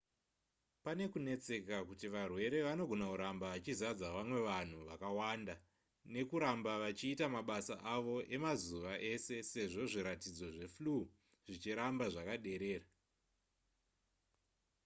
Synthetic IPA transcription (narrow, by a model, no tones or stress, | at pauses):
pane̞kune̞t͡se̞kakutiʋarwe̞ɾe̞ʋano̞ɡʱo̞nakuɾambaʋat͡ʃizad͡zaʋamwe̞ʋan̤uʋakawanda | ne̞kuɾambaʋat͡ʃiːtamaɓasaʔaʋo̞ʔe̞mazuʋaʔe̞se̞se̞ʐo̞ʐiɾatid͡zo̞ʐe̞flu | ʐ̥it͡ʃiɾambaʐakaɗe̞ɾe̞ːra